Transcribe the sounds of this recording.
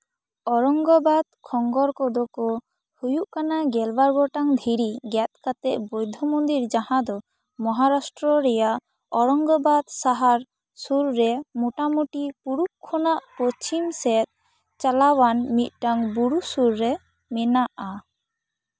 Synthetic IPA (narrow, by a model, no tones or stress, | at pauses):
ɔɾɔŋɡɔbad̪̚kʰɔŋɡɔɾkɔd̪ɔkɔ | hujuʔkanaɡɛlbaɾɡɔʈaŋd̪ʱiɾiɡɛt̪̚kat̪ɛʔbɔjd̪ʱɔmɔnd̪iɾd͡ʒahãd̪ɔ | mɔɦaɾasʈɾɔɾɛjaʔ | ɔɾɔŋɡɔbad̪saɦaɾ | suɾːɛmuʈamuʈipuɾup̚kʰːɔnaʔpɔst͡ʃimsɛt̪̚ | t͡ʃalawanmit̪̚ʈaŋbuɾusuɾːɛ | mɛnaʔa